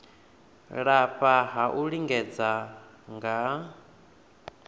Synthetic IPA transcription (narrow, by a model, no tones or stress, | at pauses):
ɺaɸaɦaʔuɺiŋɡɛd͡za | ŋɡa